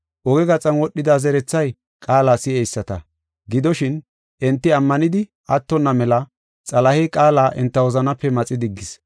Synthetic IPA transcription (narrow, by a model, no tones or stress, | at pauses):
ʔɔɡɛɡɐt͡sʼɐnwɔɗːɪd̪aːzɛɾɛt͡sːɐj | kʼaːlaːsɪɛjsːɐt̪ɐ̰ | ɡɪd̪ɔʃɪn | ʔɛnt̪ːɪɐmːɐnɪd̪ɪ | ʔɐt̪ːɔnːɐmɛlɐ | t͡sʼɐlɐhikʼaːlaːʔɛnt̪ːɐwɔzɐnɐpːɛmɐt͡sʼɪd̪ɪɡːɪs